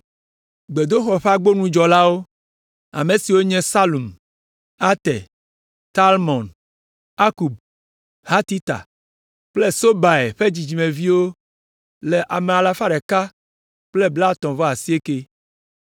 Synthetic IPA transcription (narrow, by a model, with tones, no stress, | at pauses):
ɡ͡be˨d̪o˦xɔ˨ɸa˦ɡ͡bo˦nũ˦d͡ʒɔ˨la˦wo˦ | a̰˨mẽ˨si˨wo˦ɲɛ̃˦sa˦lu˨m | a˦t̪ɛ˨ | t̪a˦lmɔ̃˨n | a˦ku˨b̚ | ha˦t̪i˦t̪a̰˨ | k͡plɛ˦so˦ba˨e˨ɸe˦d͡ʑi˨d͡ʑi˨mẽ˨vi˦wo˦ | lɛ˨ʔa˨me˨a˨la˨fa˦ɖɛ˨ka˦ | k͡plɛ˦bla˦t̪ɔ̃˨vɔ˦a˨si˦e˦ke˦